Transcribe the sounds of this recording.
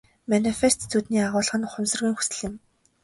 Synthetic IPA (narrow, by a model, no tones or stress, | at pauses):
manifest̪t͡sʰut̪niːaʁʊːɮʁə̆nχʊmsə̆rɣiːŋxu̥sɘ̆ɮɘ̆m